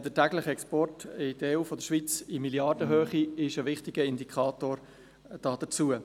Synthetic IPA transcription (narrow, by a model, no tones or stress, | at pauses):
d̥ətæɡlɪχɛkspɔrtɪd̥əeuːfɔd̥̪əʃʋit͡similjɑrd̥əɦøːχiɪʃəvɪχtɪɡ̥əɪndikʰχɑːtoːɾ | d̥ɑːd̥̪ət͡suə